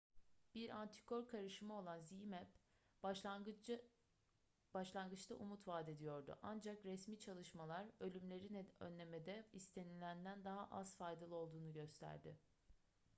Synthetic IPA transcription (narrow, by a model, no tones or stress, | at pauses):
b̥iɾʔant̪ʰi̥kʰo̞ɾkʰaɾɯʃɯmao̞lˠanzimɛp | b̥aʃlˠanɡɯt͡ʃt̪ʰaʔumut̪vaːd̪e̞d̪ijo̞ɾd̪ṵʔand͡ʒakɾɛsmiːt͡ʃʰalˠɯʃmalˠaɾølʲymlʲe̞ɾinɛø̰nːʲe̞med̪ɛist̪ʰe̞nilʲænd̪ænd̪aɦaʔaz̥fajd̪alˠɯo̞lˠd̪uːnuɟø̞st̪ʰæ̰ɾd̪ɪ̰